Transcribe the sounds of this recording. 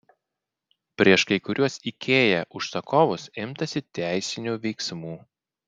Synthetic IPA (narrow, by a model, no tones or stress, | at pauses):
pʲɾʲiɛʃkɐɪkʊɾʲuɔsikʲʰeːjɛʔʊʃsɐkʰɔːʋʊsɪmt̪ɐsʲɪt̪ʲæˑɪsʲɪnʲuːʋʲɛɪksmuː